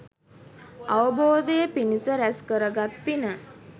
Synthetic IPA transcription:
aʋəboːd̪əjəpinisəɾæskəɾəɡat̪pinə

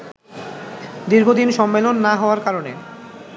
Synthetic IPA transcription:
d̪iɾɡʱod̪inʃɔmːelonːaɦɔoaɾkaɾone

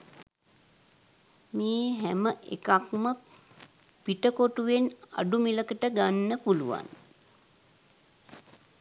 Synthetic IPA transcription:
meːɦæməʔḛkakmə | piʈəkoʈuʋena̰ɖumiləkəʈəɡanːəpuluʋa̰n

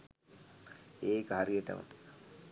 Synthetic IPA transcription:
eːkəɦaɾiəʈə̰mə̰

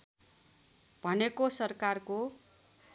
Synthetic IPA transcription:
b̥ʱʌnekosʌrkarko

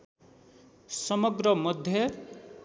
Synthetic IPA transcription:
sʌmʌɡrʌmʌd̪ʱjʌ

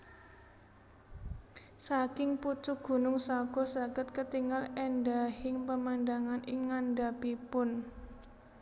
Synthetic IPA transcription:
sakɪŋput͡ʃʊɡ̥ṳnʊŋsaɡ̥ɔ̤saɡ̥ət̪kət̪iŋalɛnɖahɪŋpəmandaŋanɪŋːanɖapipʊn

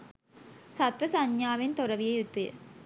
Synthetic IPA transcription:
sat̪ʋɐsaɲjaːʋent̪oɾɐʋijɐjut̪ːujə̰

